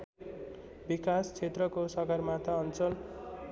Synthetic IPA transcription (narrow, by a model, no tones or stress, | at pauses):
bikast͡sʰet̪rʌkosʌɡʌrmat̪ʌːnt͡sʌl